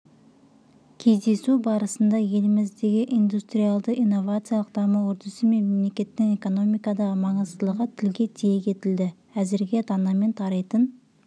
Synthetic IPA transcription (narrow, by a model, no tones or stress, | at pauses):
kʲʰe̞zd̪e̞subɑɾəsənd̪ɑje̞lɪmɪzd̪e̞ɡʲɪʔijnd̪ust̪ɾijalˠd̪əʔijnːo̞vat̪sɨjalˠəqd̪̥ɑməwɵɾt̪ʰəsəme̞mmːemlekʲe̞t̪ːɪŋe̞ko̞no̞mijkɑd̪ɑʁəmɑɴəzd̪əlˠəʁət̪ʰɪlɡʲe̞t̪ʰijekʲʰe̞t̪ɪld̪ɪ | æzɪɾɡʲe̞t̪ʰɑnɑme̞nt̪ʰɑɾɑjt̪ən